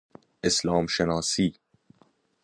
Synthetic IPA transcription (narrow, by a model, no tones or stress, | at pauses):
ʔeslɒːmʃenɒːsiː